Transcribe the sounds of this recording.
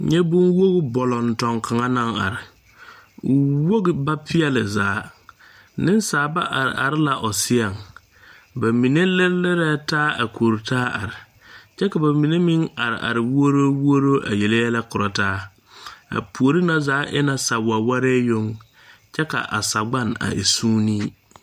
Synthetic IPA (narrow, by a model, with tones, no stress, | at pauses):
ɲɛ˦bʊ˦nwo˦ɣɪ˦bɔ˨lɔ˨n˨tɔ˨ŋkʰa˨ŋa˦na˦ŋa̰˨ɾɪ˨ | ʊ˨wo˦ɣɪ˨ba˦pʰɪ˦ɛ˦lɪ˨zaː˨˦ | nɪ˦n˦saː˨˦ba˦ʔa˨ɾɪ̰˨ʔa̰˨ɾɪ˦la˨ʔɔ˨sɪ˦a˨ŋ | ba˨mi˨ne˦lɪ˦lɪ˦ɾɛ˦taː˦a̰˨kʰoː˨ɾtʰaː˦a̰˨ɾɪ˨ | t͡ʃɛ˦ka˨ba˨mi˨ne˦mi˦ŋa˨ɾɪ̰˨ʔa̰˨ɾɪ˨wu˦o˦ɾo˦wo˦ɾo˦ʔa̰˨je˨le˦jɛ˦la˦kʊ˨ɾa˨taː˦ | a̰˨pʰu˨o˨ɾi˦na˦zaː˨˦ʔɪ˦na˨sa˨wa˨wa˦ɾɛː˦jo˦ŋ | t͡ʃɛ˦ka̰˨ʔa̰˨sa˨ɡ͡ba˦˨na̰˨ʔḛ˨suː˦niː˦